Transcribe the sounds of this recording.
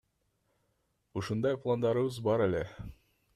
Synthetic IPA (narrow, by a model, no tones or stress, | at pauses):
uʃɤ̆nd̪ɑjplˠand̪ɑɾɤ̆wɤzbɑɾælæ